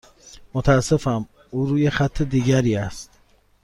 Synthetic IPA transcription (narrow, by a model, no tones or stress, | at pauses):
mot̪ʰæːsːefæm | uːɾuːjexæt̪ʰːed̪iːɟæɾiːæst̪